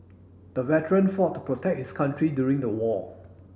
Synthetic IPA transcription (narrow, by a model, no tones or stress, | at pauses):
d̥əvɛtəɹə̃nfɔtːu̥pɹotʰɛk̚hɪskʰãntɹidjuɹɪ̃ŋdəwɔ